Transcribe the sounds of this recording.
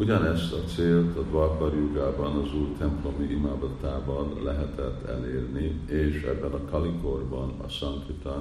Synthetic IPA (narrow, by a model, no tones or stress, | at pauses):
uɟɒnɛst̪ɒt̪seːlt̪ɒd̪vɒbɒrjuɡaːbɒnɒzuːjt̪ɛmplo̞miʔimaːd̪ɒt̪aːvɒnːɛɦɛt̪ɛt̪ʰːɛ̰leːrnieːʃɛ̰bːɛnɒkɒliko̞rbɒnɒ̰sɒŋk̪it̪a